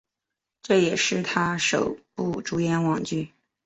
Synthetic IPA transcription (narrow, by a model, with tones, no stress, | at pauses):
ʈ͡ʂɤ˥˩jɛ˨˩ʂɻ̩˥˩t̪ʰa˥ʂo˨˩ʊpu˥˩ʈ͡ʂu˧˥jɛ˧˥nwɑ˨˩ŋt͡ɕy˥˩